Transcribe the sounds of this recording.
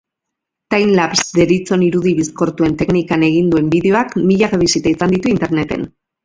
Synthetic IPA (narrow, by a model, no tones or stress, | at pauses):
t̪ajnlapsd̪e̞ɾit͡so̞niɾuð̞iβisko̞ɾt̪ue̞nt̪e̞knikane̞ɣ̞ind̪ue̞mbiðe̞o̞akmiʎaɣeβisit̪aisand̪it̪uint̪e̞ɾne̞t̪e̞̰n